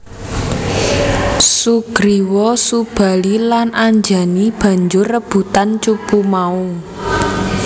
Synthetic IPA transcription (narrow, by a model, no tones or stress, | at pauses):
suɡ̥ɾiwɔsub̥a̤lilanaɲd͡ʒa̤nib̥ä̤ɲd͡ʒʊrːəb̥ṳt̪ant͡ʃupumau